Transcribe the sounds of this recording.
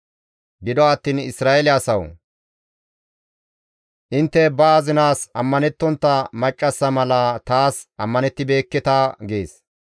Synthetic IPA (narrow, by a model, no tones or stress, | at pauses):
ɡɪd̪ɔɐt̪ːiːnɪ̰sɾaːʔɛlɪɐsɐw | ʔɪnt̪ːɛbɐːzɪnaːsɐmːɐnɛt̪ːɔnt̪ːɐmɐt͡ʃʼːɐsːɐmɐlɐt̪aːsʔɐmːɐnɛt̪ːɪbe̞ːkːɪt̪aːɡḛːs